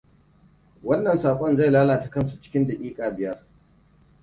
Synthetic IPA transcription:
wɐ˦nːɐ˨nsaː˨kʷʼɔ˦nza˦˨jlaː˦laː˨ta˨kɐ˦nsu˨t͡ʃɪ̥˦kʲɪ˦nda˨kʲʼiː˦kʼaː˨bɪ˦jɐ˦r

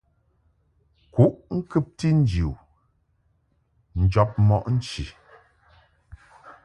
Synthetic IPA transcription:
ku˦ʔŋ̩˦kʉ˦p̚ti˦n̩˦d͡ʒi˨ | n̩˨d͡ʒɔ˦p̚mɔ˦˨ʔn̩˦t͡ʃḭ˨

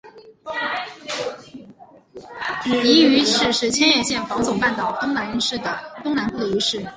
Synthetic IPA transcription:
i˧˥y˧˥ʂɻ̩˥˩ʂɻ̩˧˥t͡ɕʰjɛ˥njɛ˥˧ɕjɛ˥˩nfɑ˧˥ʊt͡sʊ˨˩ŋpa˥˩nt̪ɑ˨˩ʊʔə˥ŋma˧˥ni˧˥ʂɻ̩˥˩d̪ə˩t̪ʊ˥ŋna˧˥nkʰɤ˥˩y˧˥ʂɻ̩˥˩

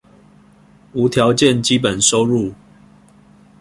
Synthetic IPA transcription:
u˨˦t̪ʰjɑ˨˦ʊt͡ɕjɛ˥˨nt͡ɕi˦pə˨˩nso˦ʊɻu˥˨

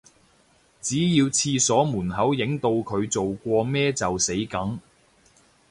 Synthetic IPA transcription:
t͡siː˨˥jiː˧wt͡sʰiː˧sɔː˨˥muː˨˩nɦɐ˨˥wjɪ˨˥ŋt̪o˧wkʰɵ˨˧ɥt͡so˨wkʷɔː˧mɛː˥t͡sɐ˨wse˨˥jkɐ˨˥ŋ

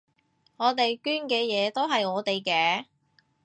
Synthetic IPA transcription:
ŋɔː˨˧t̪e˨jkyː˥nkɛː˧jɛː˨˧t̪o˥wɦɐ˨jɔː˨˧˥t̪e˨jkɛː˧˥

